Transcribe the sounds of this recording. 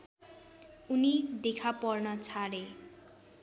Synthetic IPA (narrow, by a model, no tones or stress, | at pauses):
unid̪ekʰapɔrnʌt͡sʰaɾe